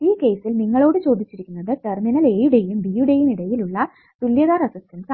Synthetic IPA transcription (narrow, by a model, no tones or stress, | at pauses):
iːke̞ːsilniŋːɐɭo̞ːɽɨt͡ɕo̞ːd̪it͡ɕːiɾikʲːunːɐðɨʈerminɐleːjuɽejumbijuɽejumiɽɐjiluɭːɐ | t̪uljɐðaːɾɐsɐst̪ɐnka